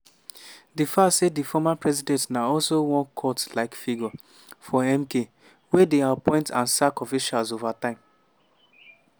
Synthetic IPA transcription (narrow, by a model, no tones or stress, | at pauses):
difasedifɔmapɹɛzidɛ̃ntnaɔlsowɔ̃nkʰɔtlaɪkfiɡɔ | fɔɛmke | wedeapɔ̃ɪ̃ntãnsakɔfiʃalzovatãɪ̃m